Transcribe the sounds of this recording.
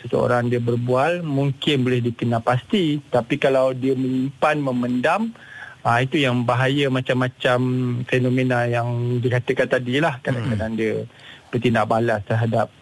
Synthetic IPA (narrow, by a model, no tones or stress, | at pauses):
səsəo̰ɾaŋdiəbərbualmuŋkɪnbolɪhdikənalpast̪it̪apikalawdiəmə̃limpanmə̃məndam | ait̪ujaŋbaɦajəmat͡ʃamːãt͡ʃamfenõmenajaŋdikat̪əkant̪adilahkadãkədaŋdiəb̥ərt̪indaʔbalast̪ərɦadap̚